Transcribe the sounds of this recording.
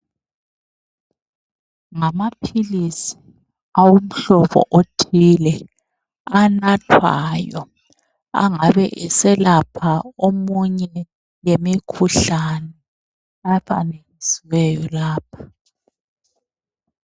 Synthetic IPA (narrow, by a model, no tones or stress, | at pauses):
ŋamapʰilisi̥ | awum̩ɬɔβɔ̰ʔotʰilɛ | anatʰwa̰jɔ | a̰ŋaβɛʔɛsɛlapʰaomuɲɛ | jemikʰuɬanɛ | aɸʰa̰neŋisiwɛjɔlaːp̚ʰḁ